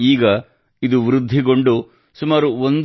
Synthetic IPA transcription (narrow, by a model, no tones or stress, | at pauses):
iːɡɐ | id̪uʋɾud̪ʱːiɡo̞ɳɖu | sumaːɾuond̪